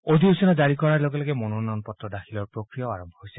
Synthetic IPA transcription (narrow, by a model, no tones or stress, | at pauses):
od̪ʱiusinad͡ʒaɹikɔɹaɹloɡelɔɡemɔnunɔnpɔt̪ɾɔd̪axʰilɔɹpɹokɹijɔaɹɔmbʱɔɦojsɛ̥